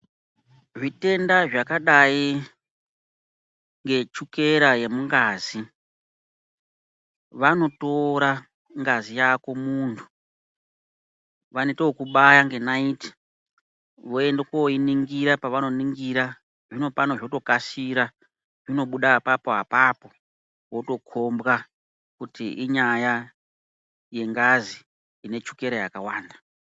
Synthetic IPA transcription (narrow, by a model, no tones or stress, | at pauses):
ʐite̞ndaʐakaɗai | ŋɡe̞t͡ʃuke̞ɾaje̞muŋɡaːzi | ʋano̞to̞ɾa | ŋɡazijako̞muːntʰu̥ | ʋaneteokuɓajaŋɡe̞naiti̥ | ʋo̞e̞ndekoiniŋɡiɾapaʋano̞niŋɡiɾa | ʐino̞pano̞ʐoto̞kasiɾa | ʐino̞ɓuɗapapo̞ɦa̰papo̞ | wo̞to̞kʰo̞mbɣa | kutiʔiɲaja | je̞ŋɡazi | ine̞t͡ʃuke̞ɾejakawaːnda